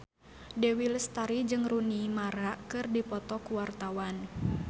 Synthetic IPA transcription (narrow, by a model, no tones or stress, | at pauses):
dewilst̪aɾid͡ʒɨŋrunimaɾaʔkɨrdipɔt̪ɔkuwart̪awan